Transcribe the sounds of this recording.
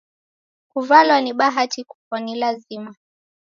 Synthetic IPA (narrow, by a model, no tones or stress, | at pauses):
kuvalwaniɓaɦatiku̥fɔnilazima